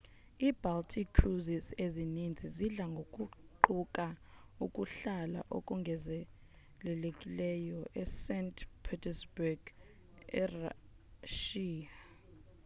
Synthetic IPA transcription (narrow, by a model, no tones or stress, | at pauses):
iːbaltʰikʰːruzisezinind͡zʱiziɮaŋɡʱokʼuǃukʼaukʼuɬala̰ʔo̰kʼuŋɡʱɛzɛ | lɛlekʼilɛjɔʔɛsɛntpʰitʰɛsbuɡ̥ | ɛra | ʃiːa